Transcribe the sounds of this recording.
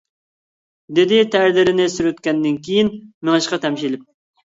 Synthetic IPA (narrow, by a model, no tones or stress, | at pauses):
d̪ɪd̪ɪt̪ʰæɾlɪɾɪnɪsyɾøt̪kʲɛnd̪ɪnkʲʰijinmɪŋɨʃqɑt̪ʰɛmʃilɪp̚